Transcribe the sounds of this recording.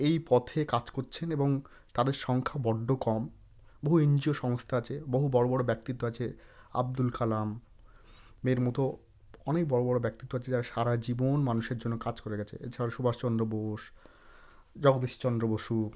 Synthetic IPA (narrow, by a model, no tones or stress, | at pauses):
ejpɔt̪ʰekad͡ʑkoɾt͡ɕʰeneboŋ | t̪ad̪eɾʃɔŋkʰabɔɖʱːokɔm | boɦuend͡ʑioʃɔŋst̪ʰaat͡ɕʰeboɦubɔɽobɔɽobɛk̚t̪it̪ːoat͡ɕʰea̰b̚d̪ulkalamː | eɾmɔt̪o | ɔnekbɔɽobɔɽobɛk̚t̪it̪ːoat͡ɕʰed͡ʑaɾaʃaɾad͡ʑibonmanuʃeɾd͡ʑonːokad͡ʑkoɾeɡɛt͡ɕʰḛḛt͡ɕʰaɾaʃubaʃt͡ɕɔnd̪ɾoboʃ | d͡ʑɔɡd̪eʃi̥t͡ɕɔnd̪ɾoboʃu